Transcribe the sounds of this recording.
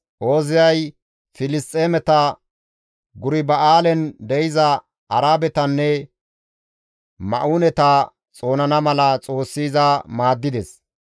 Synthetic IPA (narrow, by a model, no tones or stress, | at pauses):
ʔo̞ːzɪjɐj | fɪlɪst̪ʼːeːmɛt̪ɐ | ɡʊɾɪbɐʔaːlɛnd̪ɛjɪzɐ | ʔɐɾaːbɛt̪ɐnːɛ | mɐ̰ʔuːnɛt̪ɐ | t͡sʼo̞ːnɐnɐmɐlɐt͡sʼo̞ːsːiːzɐmaːd̪ːɪd̪ɛs